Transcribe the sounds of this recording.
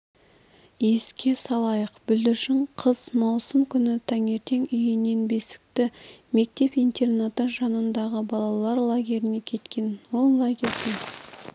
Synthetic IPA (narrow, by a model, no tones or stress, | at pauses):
je̞skʲe̞sɑlˠɑjəqbʏld̪ɪɾʃɪɴqʰəz̥mɑwsəmkʲʰʏnɪt̪ʰɑŋe̞ɾt̪e̞ŋʏjɪne̞nbesɪ̥k̚t̪ɪme̞k̚t̪e̞pijnt̪e̞rnat̪əʒɑnənd̪ɑʁəbɑlˠɑlˠɑɾlˠaɡʲe̞ɾɪne̞kʲʰe̞t̪kʲe̞nwo̞llˠaɡʲe̞ɾd̪e